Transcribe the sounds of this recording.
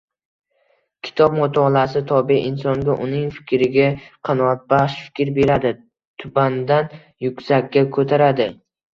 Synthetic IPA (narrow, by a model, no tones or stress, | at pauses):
kʲʰɪ̥t̪ʰɒbmʊt̪ʰɒlasɪt̪ʰɒbiʔɪnsɒŋɡʲaʔʊnɪŋfɪ̥kʲɾɪɡʲaqʰɑnɒat̪̚baʃfɪ̥kʲɾbe̞ɾad̪ɪ | t̪ʰʊband̪an | jʊkʲsakʲʰːakʰɵt̪ʰaɾad̪ɪ